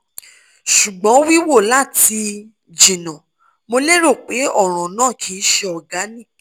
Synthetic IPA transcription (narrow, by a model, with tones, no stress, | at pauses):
ʃu˨ɡ͡bɔ̃˨˦wi˦wo˦˨la˦˨ti˧ | d͡ʒĩ˨nã˨ | mo˧le˦ɾo˦˨k͡pe˨˦ɔ˦˨ɾ̃ɔ̃˨nãː˦˨kʰi˨˦ʃe˧ɔ˨ɡa˨˦nĩ˦˨